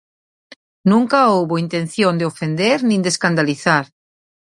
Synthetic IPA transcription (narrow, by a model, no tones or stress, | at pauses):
nũŋkaowβoint̪ẽn̟θjõnd̪eofend̪eɾnĩnd̪eskand̪aliθaɾ